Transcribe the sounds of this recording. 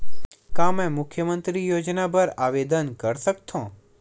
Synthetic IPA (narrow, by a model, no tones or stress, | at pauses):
kamẽmʊkʰjəmənt̪ɾijod͡ʒnabəɾaʋed̪ənkəɾsək̚t̪ʰõ